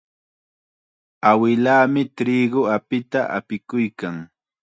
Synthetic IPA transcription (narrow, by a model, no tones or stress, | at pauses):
awɪlaːmɪt̪ɾiːɡʊapɪt̪aʔa̰pɪkʊjkaŋ